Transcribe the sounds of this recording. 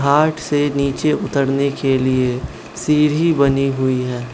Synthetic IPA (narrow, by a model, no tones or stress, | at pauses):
aːʈʰseniːt͡ʃeʔʊt̪əɽnekelie | siːɾibɐniɦʊiɦɛː